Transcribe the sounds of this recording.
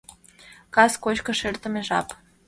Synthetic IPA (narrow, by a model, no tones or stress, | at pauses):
kaskoʃkəʃert̪əmeʒɑ̰p